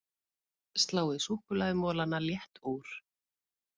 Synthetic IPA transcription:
st̪laːwɪsuhkʏlaðʏmɔːlanːaljɛht̪uːɾ̥

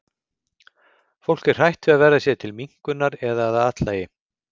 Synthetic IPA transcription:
fowl̥cɪr̥r̥ajht̪vɪaðvɛːɾasjɛt̪ʰɪlmiŋ̥kʏnːaɾɛðaːðaaːt̪laːjɪ

